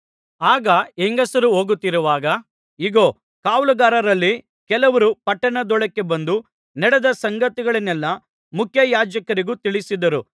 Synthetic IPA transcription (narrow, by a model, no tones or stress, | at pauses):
aːɡɐeŋɡɐsɐɾuɦoːɡut̪ːiɾuʋaːɡɐ | iɡoː | kaːʋlɐɡaːɾɐɾɐlːi | kɛlɐʋɐɾupɐʈːɐɳɐd̪ɔɭɐkːe̞bɐnd̪u | nɛɽɛd̪ɐsɐŋɡɐt̪iɡɐɭɐnɛlːɐ | mukʰjɐjaːd͡ʒɐkɐɾiɡut̪iɭisid̪ɐɾu